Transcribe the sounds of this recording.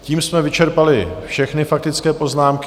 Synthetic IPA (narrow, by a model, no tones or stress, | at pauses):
ciːmsmɛvɪt͡ʃɛɾpalɪfʃɛxnɪfak̚t̪ɪt͡skɛːpo̞znaːmk